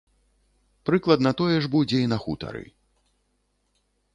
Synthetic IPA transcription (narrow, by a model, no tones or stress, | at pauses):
pɾɨklˠɐd̪nɐt̪ɔjɛʐbud͡zʲɛinɐxut̪ɐ̰ɾɨ̰